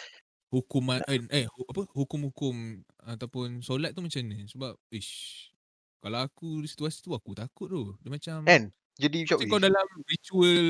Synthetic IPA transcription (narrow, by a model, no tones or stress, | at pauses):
hukumãʔənʔəhuapəhukʊmhukʊm | at̪apʊnsolat̪̚ːumat͡ʃamnə̃səbap̚e | kalawakudisi̥t̪uasi̥t̪uakut̪akʊt̪̚t̪ʊdəmat͡ʃamɛ̃n | d͡ʒudiut͡ʃɔikaawdalamɾit͡ʃuəl